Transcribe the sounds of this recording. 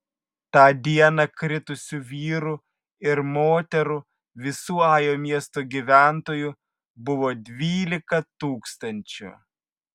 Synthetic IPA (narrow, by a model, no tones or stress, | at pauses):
t̪ɑːd̪ʲiɛnɐkɾʲɪt̪ʊsʲʊʋʲiːɾʊ | ɪɾmoːt̪ʲɛɾʊ | ʋʲɪsuːɑːjoːmʲiɛst̪oɡʲiʋʲæˑnt̪oːjʊ | bʊʋoːd̪ʲʋʲiːlʲɪkɐt̪uːkst̪ɐnʲt͡ʃʲʊ̰